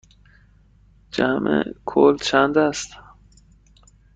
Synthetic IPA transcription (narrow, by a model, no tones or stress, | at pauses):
d͡ʒæmʔḛkʰolt͡ʃʰænd̪æst̪